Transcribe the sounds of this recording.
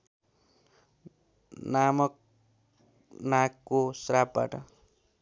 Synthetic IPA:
namʌk̚ | nakːosrap̚ba̰ʈʌ

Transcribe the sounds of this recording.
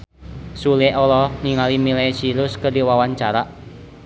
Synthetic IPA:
suleɔlɔniŋalimilesiɾʊskərdiwawaɲt͡ʃaɾaʔ

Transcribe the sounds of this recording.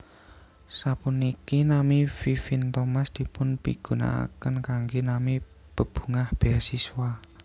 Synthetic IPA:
sapunikinamififint̪omasd̪̥i̤pʊnpḭɡ̥ṳna̰a̰kənkaŋɡenami | b̥ə̤b̥ṳŋahb̥easiswa

